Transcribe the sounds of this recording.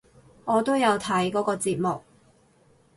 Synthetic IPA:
ŋʔɔː˨˧t̪o˥wjɐ˨˧wt̪ʰɐ˨˥jkɔː˨˥kɔː˧t͡siː˧t̚mʊ˨k̚

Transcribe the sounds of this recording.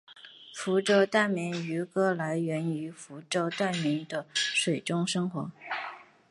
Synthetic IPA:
fu˧˥ʈ͡ʂɤ˥˧ʊt̪a˥˩nmɛ˧˥ny˧˥kɤ˥la˧˥ɪɥɛ˧˥ny˧˥fu˧˥ʈ͡ʂo˥˧ʊt̪a˥˩nmi˧˥ŋd̪ə˧ʂwe˨˩ɪʈ͡ʂʊ˥ŋʂɤ˥ŋxwɔ˧˥

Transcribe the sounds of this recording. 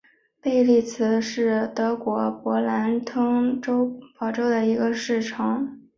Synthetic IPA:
pe˥˧ɪli˥˩t͡sʰɹ̩˧˥ʂɻ̩˥˩t̪ɤ˧˥kwɔ˧˥pwɔ˧˥la˧˥nt̪ʰɤ˥ŋʈ͡ʂo˥ʊpɑ˧˥ʊʈ͡ʂo˥ʊd̪ə˨i˧˥ɡə˧ʂɻ̩˥˩ʈ͡ʂʰɑ˧˥˦ŋ

